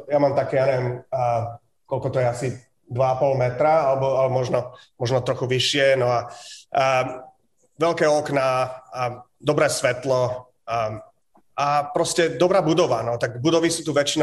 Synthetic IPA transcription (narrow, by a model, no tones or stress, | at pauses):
jamaːmt̪akɛːjaɲɛʋɛm | kɔlkɔt̪ɔjɛasi | d̪ʋaapɔlmɛt̪ɾaalɛbɔalmɔʒnɔmɔʒnɔt̪ɾɔxuʋiʃɪɛnɔa | ʋɛlkɛːɔkna | d̪ɔbɾɛːsʋɛt̪lɔ | apɾɔscɛd̪ɔbɾaːbud̪ɔʋanɔt̪aɡbud̪ɔʋisuːt̪uʋɛt͡ʃin